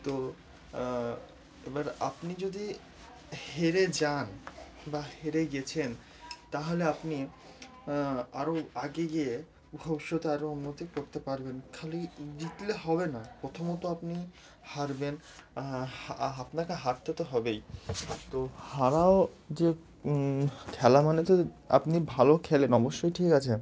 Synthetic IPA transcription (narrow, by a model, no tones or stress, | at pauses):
t̪o | ebaɾa̰pnid͡ʑod̪i | heɾed͡ʑan | baheɾeɡɛt͡ɕʰen | t̪aɦoleapni | aɾoaɡeɡie | bʱɔbʃot̪eaɾounːot̪ikoɾt̪epaɾbenkʰalid͡ʑit̪leɦɔbenapɾot̪ʰomot̪oapni | haɾben | apnakeɦaɾt̪et̪oɦɔbejt̪ohaɾao | d͡ʑe | kʰɛlamanet̪oa̰pnibʱalokʰɛlenɔboʃːojʈʰikat͡ɕʰe